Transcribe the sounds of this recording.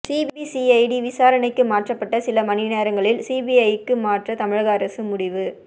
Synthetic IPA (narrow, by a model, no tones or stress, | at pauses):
siːbbisiɐɪɖiʋɪsaːɾɐnɐɪkːɯmaːʈrɐpːɐʈːɐsɪlɐmɐnɪneːɾɐŋɡɐɭɪlsiːbiɐjɯkːɯmaːʈrɐt̪ɐmɪɻɐɣɐːɾɐsɯmʊɽɪʋɯ